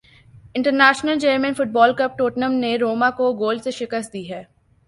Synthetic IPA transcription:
ɪ̃ɳʈəɾnæːʃnəld͡ʒeɾmə̃nfʊʈ̚bɔːlkɐp̚ʈoːʈnəmneɾoːmakoɡoːlseʃɪkəst̪̚d̪iːɦɛː

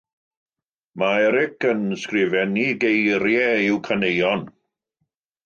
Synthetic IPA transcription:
maɛɾɪkənskrɪvɛniɡejɾjɛɪwkʰənejɔn

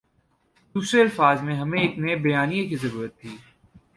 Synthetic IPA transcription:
d̪uːsɾeɐlfaːzmẽɦɐmẽːknebɐjaːnijekizɐɾuːɾət̪ʰːiː

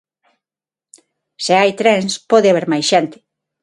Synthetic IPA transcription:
seajt̪ɾɛnspɔðɪaβ̞eɾmajsʃent̪ɪ̥

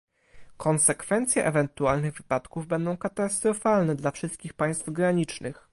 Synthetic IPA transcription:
kʰɔnsɛkfɛnt̪sʲjɛʔɛvɛnt̪ualnɘɣvɘpat̪kuvbɛnd̪ɔ̃w̃kat̪ast̪ɾɔfalnɛd̪lafʂɘst̪̚kʲixpaj̃st̪vɡɾaɲit͡ʂnɘ̰x

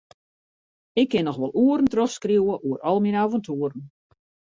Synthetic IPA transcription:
ɪkːɪnɔxʋɔlˠuəɾən̩trɔxskriwəʔuəɾɔlˠminaːvəntʰuəɾən̩

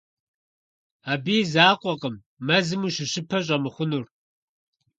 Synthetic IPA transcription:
aːbiːzaːqʷʼɔqəmː | ɐzɨmuːʃɪɕɪpʰɐɕ̬ʼɐmɨχʷʊnur

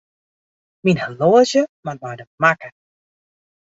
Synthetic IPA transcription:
minhəloəzjəmarbajdəmakə

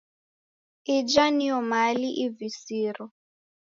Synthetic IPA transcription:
id͡ʒaniɔmaliʔivisiːɾɔ

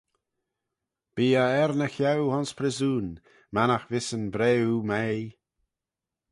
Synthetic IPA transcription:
b̥iːaɛɾnəxawhɔnspʰɾɪzuːn | manaxvɪsənbɾɛːumej

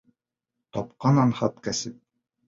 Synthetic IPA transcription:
t̪ɒp̚qɑnɑnχɑt̪kæsɘp̚

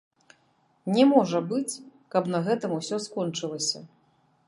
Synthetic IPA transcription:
nʲɛmɔʐɐbɨt͡sʲkɐpnɐɣɛt̪ɨmusʲɔskɔnt͡ʂɨlˠɐsʲɐ

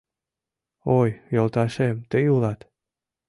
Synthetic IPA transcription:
ojjolt̪ɑʃemt̪ejulˠɑt̪

